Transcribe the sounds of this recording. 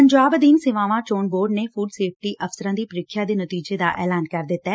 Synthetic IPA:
əɲd͡ʒaːbd̪iːnsɪʋãːʋãːt͡ʃoːnboːɾɖneːfuːɖseːp̚ʈiːʔəfsəɾãːd̪iːpəɾɪkʰjaːd̪eːnət̪iːd͡ʒeːd̪a̰ːʔɛːlaːnkəɾd̪ɪt̪ːɛː

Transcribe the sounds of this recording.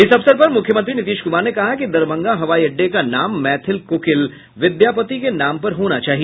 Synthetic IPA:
ɪsɐfsəɾpɐɾmʊkʰːjəmɐ̃nt̪ɾinɪt̪iːʃkʊmaːɾnekɐɦakid̪ɐɾbɐ̃ŋɡaɦɐʋaːiɐɖːekanaːmːɛːt̪ʰɪlkoːkɪl | ʋɪd̪jaːpət̪ikenaːmpɐɾɦoːnat͡ʃaːɦie

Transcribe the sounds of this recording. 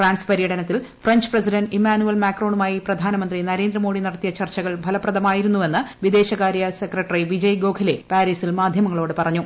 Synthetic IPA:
fraːɳspɐɾijɐʈɐnɐt̪ːilfrɐɲd͡ʑɨ̥prɐsiɖɐnɖimaːnuelmaːkro̞ːɳumaːjiprɐd̪ʱaːnɐmɐnd̪rinɐɾe̞ːnd̪rɐmo̞ːɽinɐɽɐt̪ːijɐt͡ɕɐrt͡ɕɐɣɐɭbʱɐlɐpːrɐd̪ɐmaːjiɾunːuʋe̞nːɨʋid̪e̞ːɕɐɣaːɾjɐsekrɐʈːɐriʋid͡ʑɐjɡo̞ːkʰɐle̞paːɾiːsilmaːd̪ʱjɐmɐŋːɐɭo̞ːɽɨpɐrɐɲːu

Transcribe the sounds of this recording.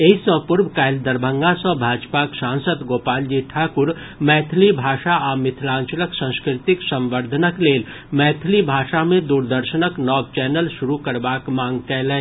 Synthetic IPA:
eːisə̃pʊɾbkaːɪld̪əɾbʱə̃ŋɡasɔ̃bʱaːd͡ʒpaksãːnsəd̪ɡoːpaːld͡ʒiʈʰaːkʊɾ | mɛːt̪ʰlibʱaːʃaʔamɪt̪ʰlãːnt͡ʃələksə̃nskɾɪt̪ɪksə̃mʋəɾd̪ʱənəkleːl | mɛːt̪ʰlibʱaːʃamẽd̪uːɾd̪əɾʃənəknɔːɡ̚t͡ʃɛːnəlʃʊɾukəɾbaːkmãːŋɡkɛːlɛ̃

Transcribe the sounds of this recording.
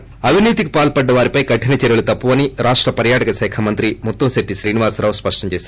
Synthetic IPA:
ɐbʱiniːt̪ikupaːlpɐɖːɐʋaːɾipɐjikɐʈʰinɐt͡ʃeɾɐɭut̪ɐpːuʋɐniɾaːʂʈɾɐpɐɾjaːʈɐkɐsɐːkʰɐmɐnt̪ɾimut̪ːomseʈːiʃɾiːniʋaːsɾaːʋspɐʂʈɐt͡ʃeːs

